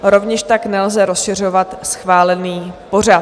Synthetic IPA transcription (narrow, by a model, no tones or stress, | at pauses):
ɾo̞vɲɛʃt̪aknɛlzɛɾo̞sʃɪr̝ovat̪sxvaːlɛniːpo̞ra